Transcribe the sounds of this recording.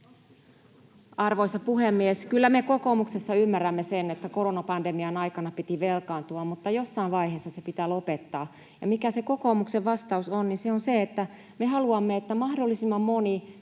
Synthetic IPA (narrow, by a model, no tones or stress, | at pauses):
ɑrʋoisɑpuhemːieskylːæmeko̞komuksesːɑymːærːæmːesenet̪ːæko̞ronɑpɑndemiɑnɑikɑnɑpit̪iʋelkɑːnt̪uɑmmut̪ːɑjosːɑiʋʋɑiheːsːɑsepit̪æːlopet̪ːɑː | jɑmikæseko̞komukseʋʋɑst̪ɑusonninseonseet̪ːæ | mehɑluɑmːeet̪ːæmɑhdolːisimːɑmmo̞ni